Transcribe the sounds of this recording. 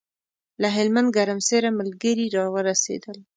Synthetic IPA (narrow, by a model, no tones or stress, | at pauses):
laɦɪlmand̪ɡaɾamseɾaməlɡəɾiɾɑwəɾasḛd̪əl